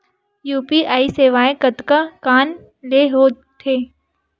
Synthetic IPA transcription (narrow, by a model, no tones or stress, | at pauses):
juːpiʔaːiseːʋaːẽkət̪kakaːn | leːɦoː | t̪ʰeː